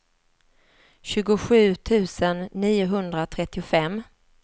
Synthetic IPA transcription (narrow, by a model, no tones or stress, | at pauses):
ɕʉ̟ːɡʊɧʉ̟ːt̪ʰʉ̟ːsənːiːʊɦɵnd̪ɾat̪ʰɾɛt̪ːɪʊfɛmː